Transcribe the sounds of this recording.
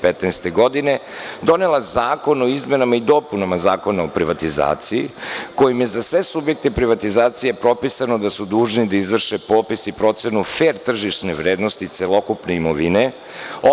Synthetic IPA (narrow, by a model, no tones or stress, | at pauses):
pet̪nast̪e̞ɡo̞d̪ine̞d̪o̞ne̞lˠazaːko̞noizme̞namaid̪o̞punamazaːko̞naopɾiʋat̪iza̰ːt̪sijiko̞jimje̞zasʋe̞subje̞k̚t̪epɾiʋat̪izaːt̪sije̞pɾo̞pisanod̪asud̪uːʒnid̪aizʋr̩ʃepo̞ːpisipɾo̞t̪se̞nufeɾt̪r̩ʒiʃneʋɾeːd̪no̞st̪it̪selo̞kupne̞imo̞ʋine̞ | o